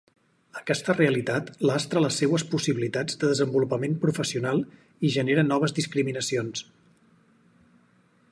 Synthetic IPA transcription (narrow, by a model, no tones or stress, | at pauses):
əkɛst̪əreəlit̪at̪last̪ɾələsːewəspusiβilit̪ad͡zd̪əðəzəmbulupəmempɾufəsiunalˠ | iʒəneɾənɔβ̞əzðiskɾiminəsions